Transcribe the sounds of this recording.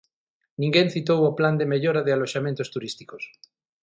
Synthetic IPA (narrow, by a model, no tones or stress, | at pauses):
nĩŋɡẽnθit̪̬owopland̪emeʎoɾaðealoʃamẽnt̪ost̪uɾist̪i̥kos